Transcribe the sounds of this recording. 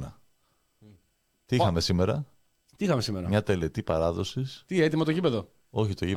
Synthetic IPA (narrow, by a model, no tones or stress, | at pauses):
nɐ | t̪iixɐme̞sime̞ɾɐ | t̪iixɐmesimeɾɐmɲɐt̪e̞le̞t̪ipɐɾɐðo̞sist̪iet̪imɐt̪oʝipe̞ðo̞ | oçit̪o̞ʝi